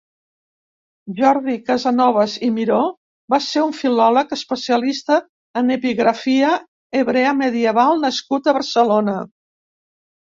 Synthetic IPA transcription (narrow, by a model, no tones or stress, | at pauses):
ʒɔɾðikəzənɔβəzimiɾo | baseɾuɱfilɔləkəspəsiəlist̪əː | nəpiɣɾəfiə | əβɾeəməðiəβalˠnəskut̪əβəɾsəlonə